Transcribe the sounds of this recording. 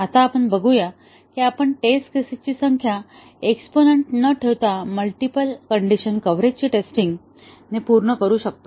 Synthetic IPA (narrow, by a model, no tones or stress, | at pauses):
at̪aːpəɳbəɡuja | kiapəɳʈesʈkɾesit̪̚t͡ɕiːsəŋkʰja | eksponeɳʈnəʈʰeʋt̪aməlʈipəlkəɳɖiɕənkəʋɾed͡ʑt͡ɕiːʈesʈiŋɡ | nepuɾɳəkəɾuːɕək̚t̪o